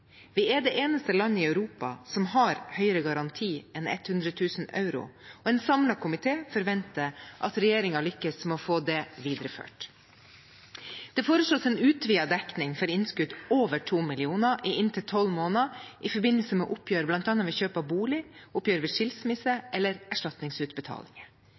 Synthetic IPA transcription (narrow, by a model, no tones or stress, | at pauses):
ʋɪɛɖ̪eːʔeːnəst̪əlɑnːəɪœʉɾuːpɑ̰sɔmhɑɾhœʏəɾəɡɑɾɑnt̪ʰiːʔɛnɛ̰t̪hʉnd̪ɾət̪ʰʉːsənɑ̰ʉɾʊ̰ɔɛːnsɑmlɑkʊmɪt̪ʰeːfɔɾʋɛnt̪əʔɑ̰t̪ɾɛjeːɾɪŋɑlʏkːəsmɛoːfoːd̪ɛʋiːd̪ɾəfø̰ːʈ | d̪̥ɛfoːɾəʂɭoːsɛnʉːt̪ʰʋiːɑd̪ɛknɪŋfɔɾɪnskʉd̪oːʋəʈʰuːmɪlɪuːnɑʔɪʔɪnt̪ʰɪt̪ʰɔlmoːnɑʔɪfɔɾbɪnːəlsəmɛ̰ʔʊpʰjøːɾblɑnt̪ɑːnɑʋɛçøːpɑbuːlɪʊpjøːɾʋɛʂɪlsmɪsəʔɛlːəɾæʂʈɑt̪nɪŋsʉːt̪̚bət̪ʰɑ̰ːlɪŋə